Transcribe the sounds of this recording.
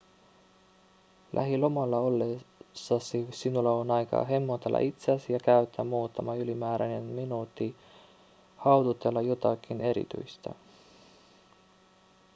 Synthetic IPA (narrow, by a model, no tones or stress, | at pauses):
lʔæ̰ɦilo̞mɑlːɑo̞lːesːɑsisinulːɑonɑjkɑ̰ːɦe̞mːo̞t̪elːʔɑ̰ʔit̪seæsijɑkæyt̪ʰːæmːuːt̪ːɑmɑylimæːɾænenminuːt̪ːi | hɑwd̪ut̪elːɑjo̞t̪ɑkːˑine̞ɾḭt̪y̰jst̪ɑ̰